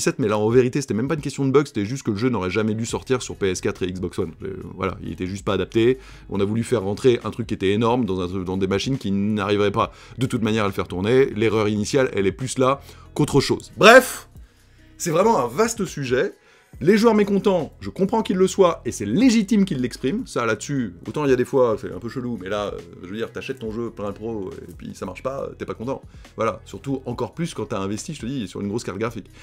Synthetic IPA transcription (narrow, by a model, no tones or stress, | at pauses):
sɛt̪mɛlaɑ̃veʁit̪ese̥t̪ɛmɛmpaynkʲɛst̪jɔ̃d̪əbœkse̥t̪ɛʒyst̪kələʒønɔʁɛʒamɛd̪ysɔʁt̪iʁsyʁpeɛskat̪χeiɡzbɔkswanḛvwa̰la̰ḭlḛt̪ɛʒyst̪̚paːd̪ap̚t̪e | ɔ̃navulyfɛʁːɑ̃t̪χeʔɛ̰̃t̪χykʲːiet̪ɛenɔʁmd̪ɑ̃zɛ̃d̪ɑ̃d̪emaʃinkʲinaʁivʁɛpa | d̪ət̪ut̪manjɛʁaləfɛʁt̪uʁneleʁœʁinisjalɛ̰lɛplyslakot̪χəʃo̰ːzbʁɛf | sɛvʁɛmɑ̃ɛ̃vast̪əsyʒɛ | leʒwœʁmekɔ̃t̪ɑ̃ʒəkɔ̃pχɑ̃kilːəswaesɛleʒit̪imk̬ʲilːɛkspχimsalad̪əsyo̰t̪ɑ̃iljad̪efwasɛ̰ɛ̰̃pøʃəlumɛlaø̰ʒəvəd̪iʁt̪yaʃɛt̪ːɔ̃ʒøplɛ̃d̪pχoḛpɥḭsamaʁʃpaø̰t̪yɛpakɔ̃t̪ɑ̰̃ | vwalasyʁt̪uɑ̃kɔʁplyskɑ̃t̪aɛ̃vɛst̪iʒə̥t̪əd̪isy̰ʁynɡʁoskaʁt̪̚ɡʁafik